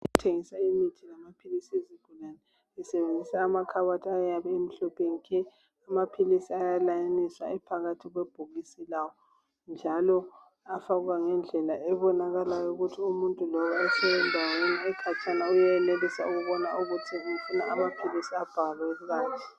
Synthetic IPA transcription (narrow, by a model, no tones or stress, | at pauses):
uutʰeŋisaimitʰilamapʰilisiezib̥ʱulanɛ | ɛsɛβend͡zʱisaːmakʰaβatʰajaβɛem̩ɬɔpʰenikʰɛ | amapʰilisiajalajanisa̰ɛpʰaɣatʰiɣweb̥ʱuɣisilawɔ | nd͡ʒʱalɔ | afaɣuɣaŋɛnd͡ɮʱɛlaʔɛβɔnaɣalajɔuɣutʰiumuntʼulɔwaɛsɛɛndʱaweniɛkʰat͡ʃʰʼanaujaɛlelisauɣuβɔnauɣutʰiufunaamapʰilisiab̥ʱalwɛuɣaːtʰɛi